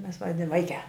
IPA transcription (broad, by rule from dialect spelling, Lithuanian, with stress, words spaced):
ˈmʲɛs ˈʋɑːdʲɪn ˈʋɐɪkʲæː